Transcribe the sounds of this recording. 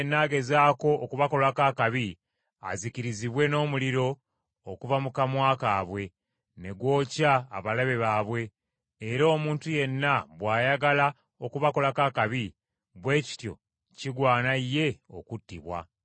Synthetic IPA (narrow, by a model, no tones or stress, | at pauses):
nːaːɡe̞zaːko̞ʔːkuβako̞lakaːkaβi | a̰ziciɾiziβwe̞no̞ːmuliɾo̞ː | kuvamukamwaːkaβwe̞ | ne̞ɡwo̞ːcaːβalaβe̞βaːβwe̞ː | ɾoːmuːntuje̞nːaβwaːjaɡala | okuβako̞lakakaβi | βwe̞ːci̥tjo̞̰ | ciɡwaːnaijːe̞o̞̰kutːiβwa̰